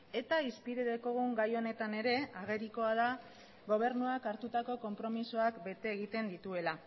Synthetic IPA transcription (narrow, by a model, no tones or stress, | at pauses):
e̞t̪aispiɾeðeko̞ɣ̞uŋɡajo̞ne̞t̪ane̞ɾe̞aɣ̞e̞ɾiko̞að̞a | ɣo̞β̞e̞ɾnuakaɾt̪ut̪ako̞ko̞mpɾo̞misoakbe̞t̪e̞ːɣ̞it̪e̞nd̪it̪ue̞la